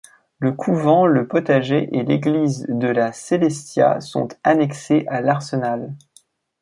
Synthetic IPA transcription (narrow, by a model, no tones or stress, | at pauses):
ləkʰuvɑ̃ləpɔt̪aʒeʔeleɡlizd̪əlaselɛst̪ja̰sɔ̰̃t̪anɛkseʔalaʁsənal